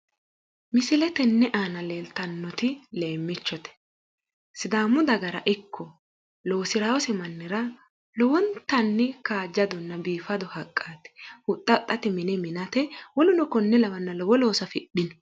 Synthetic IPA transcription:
mɪsɪlɛt̪ɛnːɛʔaːnɐle̞ːlt̪ɐnːɔt̪ɪle̞ːmːɪt͡ʃːɔt̪ɛ̥ | sɪd̪aːmːʊd̪ɐɡɐɾɐ̰ʔɪkʰːɔ | lo̞ːsɪɾaːwɔsɛmɐnːɪɾɐ | lɔwɔnt̪ːɐnːɛkaːd͡ʒːɐd̪ɔnːɐbiːfɐd̪ɔhɐkʼːaːt̪ɛ̥hʊt̪ʼːɐt̪ʼːɐt̪ɛmɪnɛmɪnɐt̪ɛwɔlʊnɔkɔnːɛlɐwɐnːɐlɔwɔlo̞ːsɐfɪɗɪnɔ

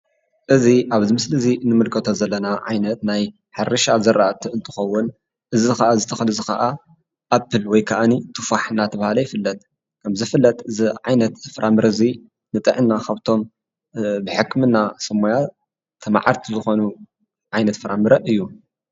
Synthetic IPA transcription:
ʔɨziʔaβzimɨslɨzinɨmɨlkʰɐt̪ʰozɐlːɐnaʕa̰jnɐt̪naj | ħɨɾɨʃazɐɾʔaʔat̪ʰiɨnt̪ʰɨ̥xɐwːʊn | ʔɨzizxɐʔazɨt̪ʰɐxlɨzɨxɐ̰ʔa | ʔabɨlwɔjkʰɐʔanit̪ʰɨfaħnat̪ʰɐβahalɐjɪfɨlːɐt̪̚ | kʰɐmzɨfɨlːɐt̪ɨziʕajnɐt̪fɨɾʔamɨɾɐzi | nɨt̪ʼɨʕɨnːakʰaβt̪ʰo̞m | bɨħɨkmɨnːasɐmːoja | t̪ʰɐma̰ʕa̰ɾt̪ʰizɨxo̞nu | ʕajnɐt̪fɨɾʔamɨɾɐʔɨjːu

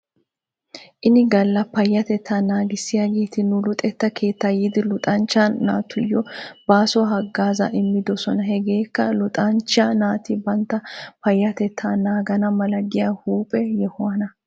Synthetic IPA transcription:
ʔɪnɪɡɐlːɐpɐjːɐt̪ɛt̪ʰːaːnaːɡɪsːɪjaɡeːt̪ɪnʊlʊt̪ʼɛt̪ːɐkʰe̞ːt̪ːɐjɪd̪ɪlʊt̪ʼɐnt͡ʃːanːaːt̪ːʊjɔb̥aːsɔɦɐɡːaːzɐ̰ʔɪmːɪd̪ɔsɔnɐɦɛɡe̞ːkːɐlʊt̪ʼɐnt͡ʃːanaːt̪ɪbɐnt̪ːɐpɐjːɐt̪ɛt̪ʰːaːnaːɡɐnɐmɐlɐɡɪjahuːpʼɛjɛhʊwɐnɐ

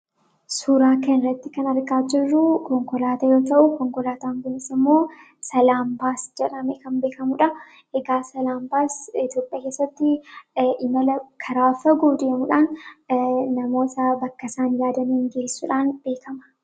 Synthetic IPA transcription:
suːɾaːkɐnɾɐt̪ːɪkɐnɐɾɡaːd͡ʒɪrːʊkɔŋkɔlaːt̪ɐjo̞ːt̪ɐʔʊkɔŋkɔlaːt̪aŋɡʊnɪsɪmːo̞ː | sɐlaːmbaːsd͡ʒɛᶑɐmɛkɐmbeːkɐmʊᶑɐ | eɡaːsɐlaːmbaːsɪt̪jo̞ːpʼːjaːke̞ːsːɐt̪ːɪʔɪmɐlɐkʰɐɾaːfɐɡoːd̪eːmʊᶑaːn | nɐmo̞ːt̪ɐbɐkːɐsaːnjaːd̪ɐniːŋɡeːsːʊᶑaːnb̥e̞ːkɐmɐ̥

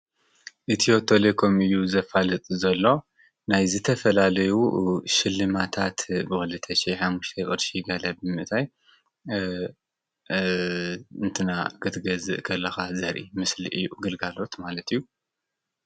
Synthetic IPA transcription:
ʔɨt̪ʰiot̪ʰo̞lekʰomɨjːuzɐfalɨt̪ʼzɐlːo̞ | najzɨt̪ʰɐfɐlalɐjuʃɪlːɨmat̪ʰat̪bɨxɨlɨt̪ʰɐʃeħamːuʃt̪ʰekʼɨd̪ʃiɡɐlɐbɨmɨʔt̪ʰaj | ɨnt̪ʰɨna̰ɡ̥ɨt̪ɡɐzɨʔkʰɐlːɐxazɐɾʔḭmɨslḭʔɨjːuɡɨlɡalo̞t̪malɐt̪ɨjːu

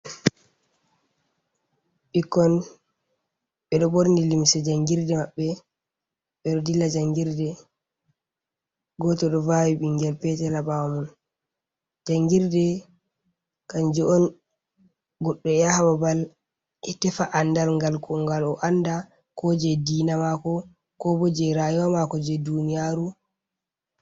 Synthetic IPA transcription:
ɓikːɔn | ɓɛɗɔboɾnilimsɛd͡ʒaŋɡiɾdɛmaɓːɛ | ɓɛɗɔdilːad͡ʒaŋɡiɾdɛ | ɡɔtɔɗɔvawiɓiŋɡɛlpɛtɛlabawamun | d͡ʒaŋɡiɾdɛ | kand͡ʒɔɔn | ɡɔɗːɔjahababal | ʔɛtɛfaʔandalŋɡalkɔŋɡalɔʔanda | kɔd͡ʒɛdiːnamakɔ | kɔbɔd͡ʒɛɾajɔwamakɔd͡ʒɛdunijaɾu

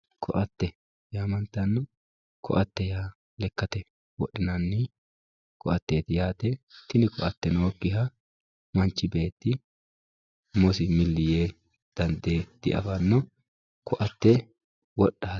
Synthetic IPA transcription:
kʰɔʔɐt̪ːɛ | jaːmɐnt̪ːɐnːɔ | kʰɔ̰ʔɐt̪ːɛjaː | lɛkːɐt̪ɛ | wɔɗːɪnɐnːɪ | kʰɔʔɐt̪ːeːt̪ɪjaːt̪ɛt̪ɪnɪkɔʔɐt̪ːɛnoːkːɪɦɐ | mɐnt͡ʃːɪbe̞ːt̪ːɪ | mɔsɪmɪlːɪjeː | d̪̥ɐnd̪eːd̪̥ɪʔɐ̰fɐnːɔ | kʰɔʔɐt̪ːɛ | wɔɗːaː

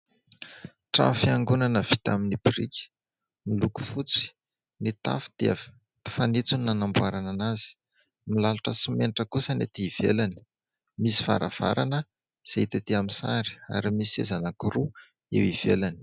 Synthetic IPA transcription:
ʈ͡ʂa̰mfiaŋɡunanəv̥it̪aminibirikʲ | miluku̥fut͡si̥ | nit̪a̰fi̥d̪̥av | i̥fanit͡suninanambuaɾananazi̥ | milaluʈ͡ʂəsimenʈ͡ʂəkusənet̪iːv̥ḛlani̥ | misi̥fa̰ɾa̰v̥a̰ɾanə | z̥et̪et̪iamisaɾi̥a̰ɾimisiḛzanakuɾu | ḛwiv̥ḛlani̥

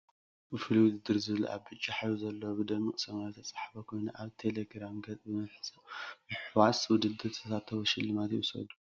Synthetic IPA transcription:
bɨfɨliwʊd̪ɨd̪ɨɾzɨβɨlṵʔa̰βbɨt͡ʃʼːaħajuzɐlːobɨd̪ɐmːikʼsɐmazt̪ʰɐt͡sʼḁħfɐkʰo̞jnuʔaβt̪ʰe̞leɡɾamɡɐt͡sʼbɨmɐβħɨt͡sʼɐmɨħwaswʊd̪ɨd̪ɨɾsat̪ʰːɐβɐʃɪlːɨmat̪jɪsɐ̰d̪u̥

